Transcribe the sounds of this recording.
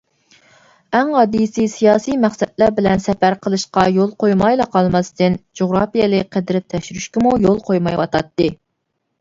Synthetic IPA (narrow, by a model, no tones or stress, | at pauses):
æŋhɑd̪isɨsijɑːsijmæχsɛt̪læɾbɪlɛnsɛpæɾqʰəlˠɨʃqɑjolˠqʰojmɑjlˠɑqʰɑlˠmɑst̪ɨnd͡ʒoʁɾɑpijelˠɨqʰəd̪ɾɪp̚t̪ʰːɛʃyɾyʃkʲɪmujolˠqʰojmɑjwɑt̪ʰɑt̪ːɨ